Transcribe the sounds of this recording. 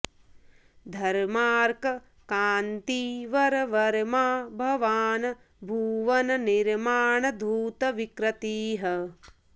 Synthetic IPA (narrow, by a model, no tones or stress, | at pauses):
d̪ʱɐɾmaːɾkɐ | kaːnt̪iːʋɐɾɐʋɐɾmaːbʱɐʋaːnɐ | bʱuːʋɐnɐniɾmaːɳɐd̪ʱuːt̪ɐʋikɾɐt̪iːɦɐ